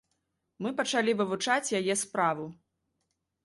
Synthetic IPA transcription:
mɨpɐt͡ʂalʲivɨvut͡ʂat͡sʲjajɛspɾavu

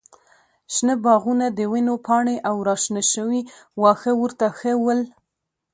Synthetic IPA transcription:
ʃnəbɑɣunad̪əwɪnopɑɳeʔawɾɑʃnaʃəwiwɑxəwəɾt̪axəwəl

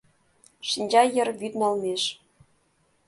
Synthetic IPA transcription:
ʃinʲd͡ʑɑjɤ̆rβyd̪nɑlmeʃ

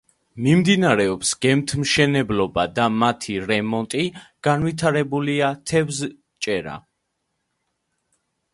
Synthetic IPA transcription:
mimd̪inaɾɛɔpsɡ̥ɛmt̪ʰmʃɛnɛblɔbad̪amat̪ʰiɾɛmɔnt̪ʼiɡ̥anvit̪ʰaɾɛbuliat̪ʰɛvz | t͡ʃʼɛɾa̰

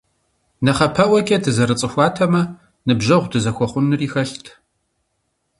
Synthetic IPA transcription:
nɐχɐpʰɐʔʷɐkʲʼɐdʰɨzɐɾɨt͡sʼɨxʷɑːtʰɐmɐ | nɨbʒɐʁʷdɨzɐxʷɔχʷʊnːɨriːxɐɬtʰ

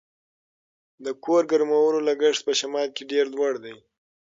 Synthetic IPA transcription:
d̪əkʰoɾɡaɾmawənolaɡəʂt̪̚pəʃamɑd̪̚keɖeɾlwaɽd̪aj

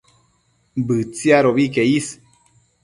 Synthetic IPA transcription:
bɨt͡siaɾobikejis

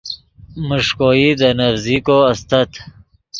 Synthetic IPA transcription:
muʂkoːid̪ənɐfzikoɐst̪ɐt̪

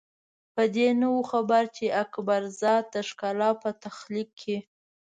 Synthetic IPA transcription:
pəd̪enəwuxabaɾt͡ʃeʔakbaɾzɑt̪̚d̪əʃkɑlɑpət̪axlikʰːe

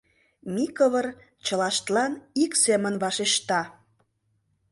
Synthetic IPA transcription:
mikəβər | t͡ɕə̆lɑʃt̪lɑniksemənβɑʃeʃt̪ɑ

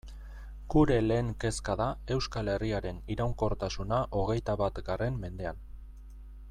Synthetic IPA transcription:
ɡ̥uɾe̞le̞ːŋke̞skaðae̞wskale̞riaɾe̞niɾawŋko̞ɾt̪asunaʔo̞ɣe̞jt̪aβat̪ɡare̞mːe̞nd̪e̞an

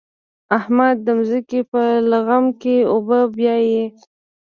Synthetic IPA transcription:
ahmad̪̚ːəmzəkepəlaɣamkeobəbjɑje

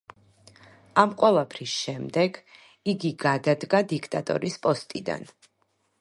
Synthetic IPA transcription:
amqʼwɛlˠapʰɾisʃɛmd̪ɛɡ | iɡiɡad̪ad̪ɡad̪ikʰt̪ʼat̪ʼɔ̰ɾispʼɔst̪ʼid̪a̰n

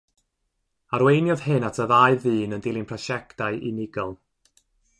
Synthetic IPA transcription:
aɾwejnjɔðhɨnatʰəðaɨðɨːnəndɪlˠɪnpʰrɔʃɛktaɨʔinɪɡɔlˠ

